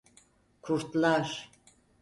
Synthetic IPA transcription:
kʰuɾt̪laɾ

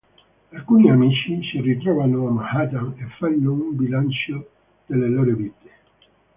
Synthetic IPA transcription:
alkuniamiːt͡ʃisirit̪ɾɔvanoamahad̪aefːanːoumbilant͡ʃo | d̪̥elːeloːɾoviːt̪e̥

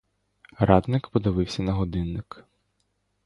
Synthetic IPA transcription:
ɾɑd̪nɪkpɔd̪ɪʋɪwsʲɐnɐɦɔd̪ɪnːɪk

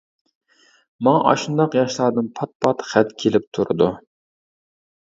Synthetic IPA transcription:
mɑŋɑʔɑ̰ʃund̪ɑqjɑʃlˠɑɾd̪ɨnpʰɑt̪̚pʰɑt̪χæt̪kʲʰelɪp̚t̪ʰuɾɨ̰d̪u

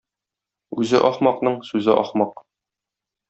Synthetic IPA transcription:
ʉzɘʔɒχmɑqnɤɴsʉzɘʔɒ̰χmɑq

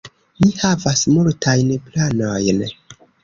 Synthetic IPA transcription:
mihavasmultʰajnplanojn

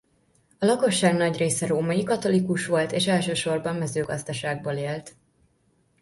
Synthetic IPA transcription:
ɒlɒko̞ʃːaːɡnɒɟreːsɛɾoːmɒjikɒt̪o̞likuʃʋo̞lt̪eːʃɛlʃøːʃo̞rbɒmːɛzøːɡɒzd̪ɒʃaːɡ̚boːleːlt̪

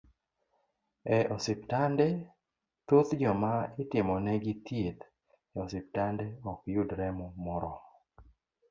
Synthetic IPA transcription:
ɛʔɔsɪptandɛ | t̪ut̪d͡ʒɔmaɪtɪmɔnɛɡɪt̪jet̪ | ɛɔsɪp̚tandɛɔkjudɾɛmɔmɔɾɔ

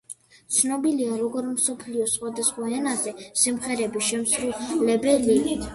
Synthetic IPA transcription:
t̪sʰnɔbiliaɾɔɡɔɾmsɔpʰliɔsχwad̪asχwaɛnazɛsimχɛɾɛbiʃɛmsɾulɛbɛli

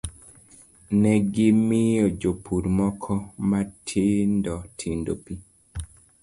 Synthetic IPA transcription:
nɛɡɪmɪjɔd͡ʒopʰuɾmɔkʰɔmatʰendɔtʰindopi

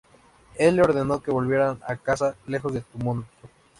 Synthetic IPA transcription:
e̞lːeo̞ɾðe̞no̞keβo̞lβjeɾana̰kasale̞xozðet̪umont̪

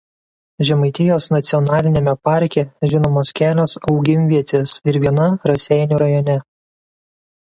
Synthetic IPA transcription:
ʒʲɛmɐɪt̪ʲɪjoːsnɐt̪sʲɪɔnɑːlʲɪnʲeːmʲɛpɑɾʲkʲɛʒʲɪnoːmoːskʲæːlʲoːsɒʊɡʲɪmʲʋʲiɛt̪ʲesɪɾʋʲiɛnɐɾɐsʲɛɪnʲuːɾɐjɔːnʲɛ

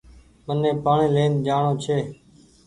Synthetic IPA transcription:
mənːẽːpaːɳẽːlẽːnd͡ʒaːɳoːt͡ʃʰeː

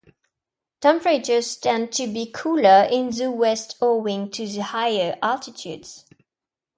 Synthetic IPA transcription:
tʰɛ̃mpəɹet͡ʃə̥˞stɛ̃n̚tʰɨbikʰulə˞ʔɪ̃nðəwɛstʰɔwɪ̃ŋtʰɨðəhaɪjə˞ʔaltɪtʰjʉ̰dz̥

